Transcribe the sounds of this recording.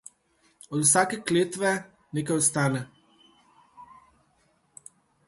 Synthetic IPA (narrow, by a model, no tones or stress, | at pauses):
ɔd̪usaːkɛkleːt̪ʋɛ | neːkajɔst̪aːnɛ